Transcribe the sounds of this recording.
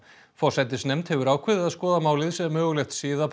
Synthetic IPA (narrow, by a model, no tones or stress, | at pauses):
fɔr̥sajt̪ɪsnɛjmt̪hɛvʏɾaːwkʰvɪðɪaðskɔːðamaːwlɪðsɛvmœːɣʏlɛxt̪sɪːðap